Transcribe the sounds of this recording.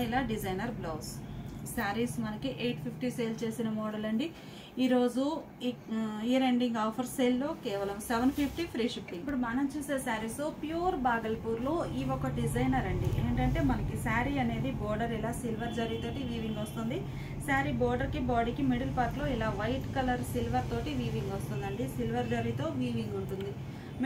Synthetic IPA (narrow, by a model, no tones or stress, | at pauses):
ilaːɖid͡ʒɐjnɐɾbloːssaːɾismɐnɐkiʔeːʈpʰipʰʈiseːlt͡ʃe̞ːsinɐmɔːɽɐlɐɳɖi | iːɾo̞ːd͡ʒu | iːɾeɳɖiŋɡaːpʰɐɾseːlːo̞ːkɛːʋɐlɐmseʋɐnpʰipʰʈipʰɾiːʂipːiipːuɽumaːnɐmt͡ʃuːseːsaːɾisoːpjuːɾbaːɡɐlpuːɾloːiːɔkɐɖid͡ʒɐjnɐɾɐɳɖiḛːɳʈɐɳʈe̞ːmɐnɐkisaːɾiɐne̞ːd̪ibɔːɾɖɐɾilaːsilʋɐɾd͡ʒɐɾit̪o̞ːʈiʋiːʋiŋɡɔst̪und̪i | saːɾibɔːɾɖɐɾkibaːɽiːkimiɽilpɐːɾʈlo̞ːilaːʋɐjʈkɐlɐɾsilʋɐɾt̪o̞ːʈiʋiːʋiŋɡost̪und̪ɐɳɖisilʋɐɾd͡ʒɐɾiːt̪o̞ːʋiːʋiŋɡuɳʈund̪i | m